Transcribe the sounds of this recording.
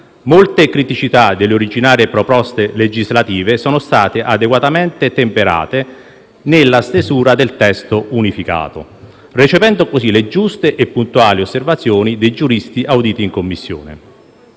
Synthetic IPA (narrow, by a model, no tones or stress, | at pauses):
molt̪ekɾit̪it͡ʃit̪ad̪elːeoɾid͡ʒinaːɾepɾopɔst̪eled͡ʒizlat̪iːvesɔːnost̪aːt̪eʔad̪eɡwat̪amɛnt̪et̪empeɾa̰ːt̪e | nelːast̪ezuːɾad̪elt̪ɛst̪ounifika̰ːt̪o̰ | rit͡ʃevɛnd̪okosziled͡ʒust̪eʔepːunt̪uaːliosːervat̪sːjoːnid̪ejd͡ʒuɾist̪iʔawd̪iːt̪iːŋkomːisːjo̰ːnḛ